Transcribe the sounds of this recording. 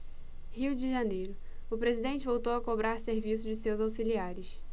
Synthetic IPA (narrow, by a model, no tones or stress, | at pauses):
hiwd͡ʒɪʒanejɾʊ | ʊpɾezid̪ẽnt͡ʃɪvowt̪owɐkobɾaɾseɾvisʊd͡ʒɪsewzawsiliaɾɪs